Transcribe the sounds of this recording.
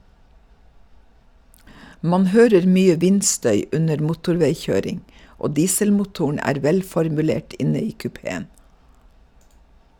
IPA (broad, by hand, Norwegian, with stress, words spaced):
ˈmɑn ˈhøːɾəɾ ˈmyːə ˈʋɪnˌstœʏ ˈʉnəɾ ˈmuːtʊɾˌʋeɪˌçøːɾɪŋ ˈʔoː ˈdiːsəlmʊˌtuːʊɳ̩ ˈæːɾ ˈʋɛlfɔɾmʉˌleːʈ ˈʔɪnə ˈiː kʉˈpeːən